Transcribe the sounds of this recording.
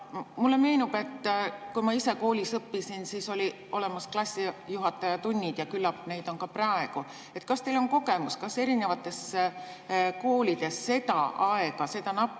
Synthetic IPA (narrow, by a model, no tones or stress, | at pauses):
mulːe̞me̞jnub̥e̞t̪ːkujmɑise̞ko̞ːlʲisɤpːisinsiːso̞lʲi | o̞le̞mɑsklɑsʲːijuɦɑt̪ːˑɑjɑt̪unʲːid̪̥jɑkylːɑpne̞jd̪o̞nkɑprɑe̞ɡ̥u | e̞t̪kɑst̪e̞loŋko̞ɡe̞muskɑse̞ɾine̞vɑt̪ːˑe̞sːe | ko̞ːlid̪̥e̞sːe̞t̪ɑɑeɡ̥ɑse̞d̪ɑnɑ